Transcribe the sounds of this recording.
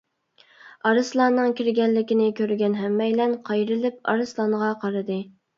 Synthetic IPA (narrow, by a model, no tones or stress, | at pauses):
ɑɾɨslˠɑːnːɨŋkʲʰiɾɡʲɛnlːɪkʲɪnɪkʲʰøɾɡʲɛnɦɛmːɛjlɛnqʰɑjɾɨlɪp̚ɑ̰ɾɨslˠɑnʁɑqʰɑɾɨd̪ɨ